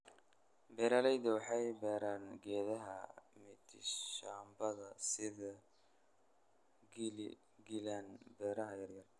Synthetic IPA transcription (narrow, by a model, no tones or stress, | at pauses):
bɛːɾaːlɛjðɐwɑħɑjbɛːɾaːnɡɛːðɐɦɐ̰mɪt̪ʰɪʃaːmbɐðɐsɪðɐ | ɡɪlanbɛːɾɐɦɐjɐrjɐr